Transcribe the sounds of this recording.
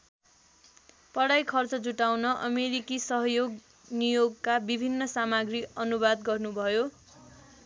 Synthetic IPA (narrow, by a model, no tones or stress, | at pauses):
pʌɽajkʰʌrt͡sʌd͡zuʈawnʌʔʌmeɾikisʌɦʌjoɡ | nijoɡkabibʱinːʌsamaɡriʌnubad̪ɡʌrnubʱʌjo